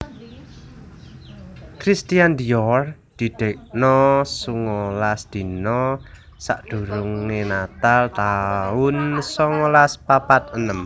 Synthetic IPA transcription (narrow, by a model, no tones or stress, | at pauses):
kɾist̪iand̪iɔrd̪̥i̤d̪̥e̤k̚nɔsuŋɔlasd̪̥i̤nɔ | sa̰ʔd̪̥ṳɾuŋŋenat̪alt̪aʊnsɔŋɔlaspapat̪̚ənəm